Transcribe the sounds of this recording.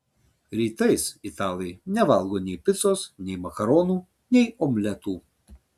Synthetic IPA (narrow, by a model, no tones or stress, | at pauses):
ɾʲiːt̪ɐɪsɪt̪ɑːlˠʲɛɪnʲɛʋɐlˠɡoːnʲɛɪpʲɪt̪soːsnʲɛɪmɐkɐɾɔːnuː | nʲɛɪɔːmʲlʲɛt̪uː